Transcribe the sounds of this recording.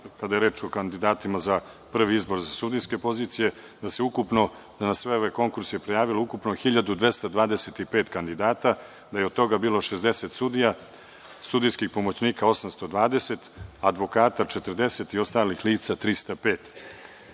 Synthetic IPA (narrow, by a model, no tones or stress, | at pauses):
kad̪ajeɾeːt͡ʂokand̪id̪aːt̪imaza | pr̩ʋiizbo̞ɾzasud̪ijske̞po̞ziːt̪sije̞ | d̪ase̞ukupno̞ | anasʋe̞o̞ʋeko̞ŋkuɾsjepɾejaːʋiloukupnoxiʎad̪ud̪ʋe̞st̪ad̪ʋaːd̪ese̞t̪ipe̞ːt̪kand̪id̪aːt̪a | d̪ajeod̪̚t̪o̞ɡabiːlo̞ʃezd̪e̞se̞t̪sud̪ija | sud̪ijskixpo̞mo̞t͡ɕniːkao̞samst̪o̞d̪ʋaːd̪e̞se̞t̪ad̪ʋo̞kaːt̪at͡ʃet̪ərd̪e̞se̞t̪io̞st̪aːlixliːt̪sat̪ɾist̪apeːt̪